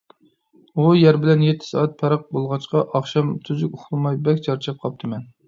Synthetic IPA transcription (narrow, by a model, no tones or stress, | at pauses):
ujæɾbɪlɛnjet̪ʰːɪ̥sɑːɛt̪̚pʰɛɾəq̚bolˠʁɑt͡ʃqɑʔɑχʃɑmt̪ʰuzukʲʊχlˠɨmɑjbɛkʲt͡ʃʰɑɾt͡ʃʰɑp̚qʰɑp̚t̪ʰɨmɛn